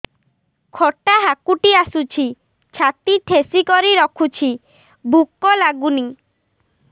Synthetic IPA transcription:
kʰoʈaɦakuʈiasut͡ʃʰi | t͡ʃʰat̪iʈʰesikɔɾiɾɔkʰut͡ʃʰi | bʱukːɔlaɡuni

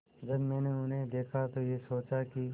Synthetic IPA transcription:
d͡ʒɐbmɛ̃ːneʊnɦẽd̪eːkʰat̪ojesoːt͡ʃaki

